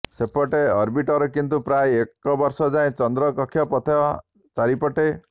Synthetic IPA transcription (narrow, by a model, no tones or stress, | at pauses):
sepɔʈeɔɾbiʈɔɾɔkint̪upɾajekːɔbɔɾsɔd͡ʒaẽt͡ʃɔnd̪ɾɔkɔkʰːjɔpɔt̪ʰea | t͡ʃaɾipɔʈe